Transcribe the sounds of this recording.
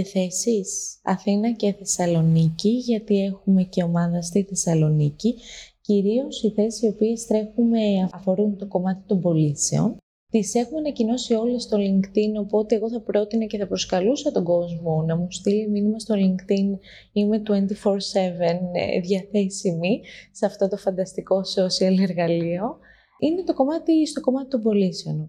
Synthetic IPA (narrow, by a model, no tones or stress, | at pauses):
θe̞sisɐ̰θinɐceθe̞sɐlo̞niciʝɐt̪ie̞xume̞ce̞o̞mɐðɐst̪iθe̞sɐlo̞niciciɾio̞siθe̞sisio̞pie̞st̪ɾe̞xume̞ɐɐfo̞ɾunt̪o̞ko̞mɐt̪it̪o̞mbo̞lise̞̰o̞̰n | t̪ise̞xumenɐcino̞sio̞lest̪o̞liŋkt̪ino̞po̞t̪e̞eɣo̞θɐpɾo̞t̪inɐceθɐpɾo̞skɐlusɐt̪o̞ɡo̞zmo̞nɐmust̪iliminimɐst̪o̞liŋkt̪in | ime̞t̪we̞nt̪ifo̞ɾse̞venðʝɐθe̞simisɐft̪o̞t̪ofɐnd̪ɐst̪iko̞sosiɐleɾɣɐlio̞ | ine̞t̪o̞ko̞mɐt̪ist̪o̞ko̞mɐt̪i̥t̪o̞mbo̞liseo̞n